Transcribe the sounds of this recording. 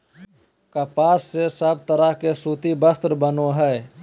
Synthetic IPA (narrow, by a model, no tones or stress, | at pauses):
kəpaːsːesəb̚t̪əɾəɦkesuːt̪ibəst̪ɾbənoɦɛː